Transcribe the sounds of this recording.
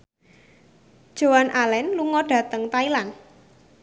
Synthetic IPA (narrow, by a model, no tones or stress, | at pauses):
d̥ʒ̥o̤wanʔalɛnluŋɔɖ̥ä̤t̪əŋt̪ailan